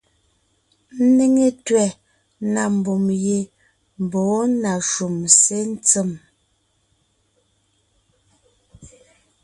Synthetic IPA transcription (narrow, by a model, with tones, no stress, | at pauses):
n̩˦ne˦ŋe˦twɛ˨ | na˨m̩˨bɔ˨mje˨ | m˨bɔː˨˦na˨ʃu˨mse˦n˦t͡sə˦˨m